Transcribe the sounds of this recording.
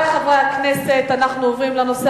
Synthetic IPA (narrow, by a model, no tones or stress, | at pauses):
χavʁajaknese̞t̪anaχnuovʁimleno̞se